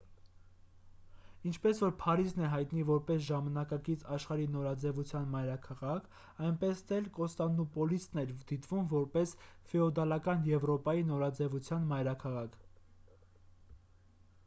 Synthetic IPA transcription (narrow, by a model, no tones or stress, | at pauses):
int͡ʃʰpɛsvɔɾpʰɑɾiznɛɦɑjt̪nivɔɾpɛsʒɑmɑnɑkɑkit͡sʰɑʃχɑɾinɔɾɑd͡zɛvut͡sʰjɑnmɑjɾɑkʰɑʁɑkʰ | ɑjnpɛsd̪ɛlkɔst̪ɑnːupɔlist̪nɛɾd̪̥it̪vumvɔɾpɛsfɛɔd̪ɑlɑkɑnjɛvɾɔpɑjinɔɾɑd͡zɛvut͡sʰjɑnmɑjɾɑkʰɑʁɑkʰ